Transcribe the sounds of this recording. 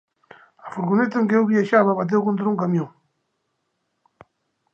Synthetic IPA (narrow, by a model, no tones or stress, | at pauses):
afoɾɣonet̪̬aeŋkeewβiaʃaβaβat̪̬ewkont̪ɾauŋkamjõŋ